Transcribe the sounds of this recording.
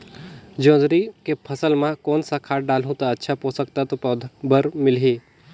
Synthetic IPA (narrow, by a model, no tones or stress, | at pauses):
d͡ʒõːd̪ɾikepʰəsəlmãkoːnsakʰaːʈ̚ɖaːlɦũt̪aɐtːʃʰapoːsək̚t̪at̪op̪ːbəɾmɪlɦeː